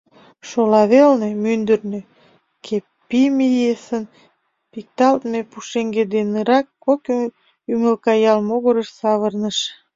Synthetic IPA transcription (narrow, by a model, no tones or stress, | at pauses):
ʃolɑβelnemynd̪ərnø | kʰepːimijesən | pik̚t̪ɑlt̪mepuʃeŋɡed̪enəɾɑkːok | yməlkɑjɑlmoɣoɾəʃsɑβərnəʃ